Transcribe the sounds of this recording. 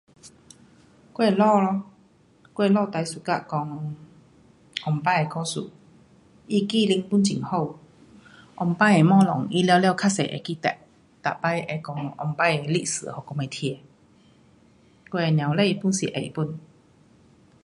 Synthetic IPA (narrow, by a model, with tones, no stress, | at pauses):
kwe˥˧lɔ˥˧˨lɔ˧˦ | kwe˥˧˨lɔ˥˧˨t̪a˧jsu˨ka̰˧˨kɔ˧˦ŋ | ʔɔ˨˩mpa˧je˨kʰɔ˧sṵ˨ | i˦ki˥˧˨li˧ŋpu˧˥˨nt͡ɕḭ˨ŋho˥˧˨w | ʔɔ˨˩mpa˧je˨˩mɔ̃ː˥˧˦lɔ˨˦ŋʔi˦ljwlja˥˧˨wkʰa˦˥sḛ˨ʔḛ˨˩ki˦t̪ɛ̰˧˨ʔ̚ | t̪a̰˨pa˧˦jʔe˧˩kɔ˧˩ŋɔ˧˩mpa˧˦je˨˩lḭ˦˧˨sɨ̰˨hɔ˨˩kɔ˧me˨˧t̪ʰi˧e˧ | kwe˥˧e˨nj̃ã˨wle˥˧˨pu˥˨nsḭ˨˩ʔḛ˨˩˨pu˧˩˨n